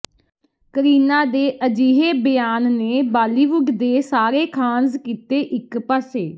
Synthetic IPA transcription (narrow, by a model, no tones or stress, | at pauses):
kəɾiːnãːd̪eːʔəd͡ʒiːɦeːbəjaːnneːbaːliːʋʊɡd̪eːsaːɾeːkʰãːnzkiːt̪eːʔɪkpaːseː